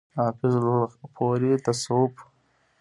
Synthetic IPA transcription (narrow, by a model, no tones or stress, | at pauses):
aːfizlpʰoːɾit̪ɐsoːp